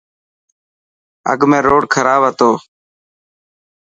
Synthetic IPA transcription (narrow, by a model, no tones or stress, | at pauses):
ə̰ɡmẽːɾoːɽkʰəɾaːʋət̪oː